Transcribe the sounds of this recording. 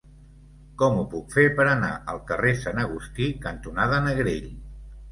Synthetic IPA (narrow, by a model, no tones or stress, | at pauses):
kɔmupukfepəɾəna̰ʔəlˠkəresanəɣ̞ust̪ikənt̪unað̞ənəɣɾeʎ